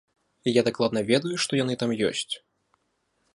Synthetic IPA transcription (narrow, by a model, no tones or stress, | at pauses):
ijad̪aklˠad̪nɐvʲɛd̪ujuʂt̪ɔjanɨt̪amjɔ̰sʲt͡sʲ